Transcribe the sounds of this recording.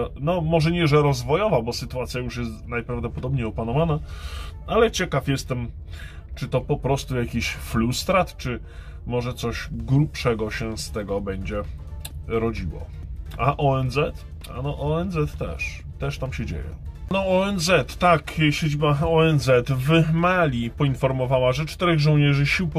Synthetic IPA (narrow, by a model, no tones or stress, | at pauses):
nɔmɔʐɛɲɛʐɛɾɔzvɔjɔvabɔsɘt̪uat̪sʲjajuʂjɛst̪najpɾavd̪ɔpɔd̪ɔbɲejɔpanɔvana | alɛt͡ɕɛkafjɛst̪ɛm | t͡ʂɘt̪ɔpɔpɾɔst̪ujakʲiɕflust̪ɾat̪t͡ʂɘ | mɔʐɛt̪sɔɕɡɾupʂɛɡɔɕɛst̪ɛɡɔbɛɲd͡ʑɛ | ɾɔd͡ʑiwɔ̰aʔɔɛnzɛt̪ | a̰nɔʔɔɛnzɛt̪ːɛ̰ʂ | t̪ɛʂt̪amɕɛd͡ʑḛjɛ̰nɔɔɛnzɛt̪ːakɕed͡ʑibaɔɛnzɛt̪vmalʲipɔinfɔɾmɔvawaʐɛt͡ʂt̪ɛɾɛɣʐɔwɲɛʐɘɕiwp